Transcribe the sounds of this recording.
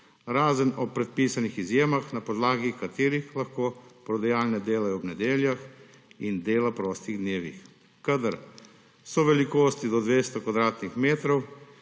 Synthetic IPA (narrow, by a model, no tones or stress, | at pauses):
ɾaːzənɔpɾɛt̪̚piːsanixizjeːmaxnapɔd̪laːɡikat̪eːɾixlaxkoːpɾɔd̪ajaːlnɛd̪eːlajɔwbnɛd̪eːljax | ind̪eːlapɾɔːst̪iɣd̪neːʋḭx | kad̪aɾ | sɔʋɛlikoːst̪id̪ɔd̪ʋeːst̪ɔkɔd̪ɾaːt̪nixmeːt̪ɾɔw